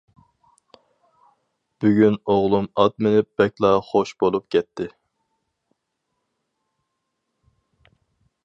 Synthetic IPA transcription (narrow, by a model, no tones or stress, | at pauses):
b̥yɡʲynoʁlˠumɑt̪̚mɪnɪp̚b̥ɛkʲlˠɑχoʃbolˠup̚kʲɛt̪ʰːɪ